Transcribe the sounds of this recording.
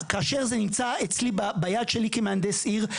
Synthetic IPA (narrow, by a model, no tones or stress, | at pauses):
kaːʃeʁzenimt͡saet͡slibabajad̪ʃelikemeand̪esiʁ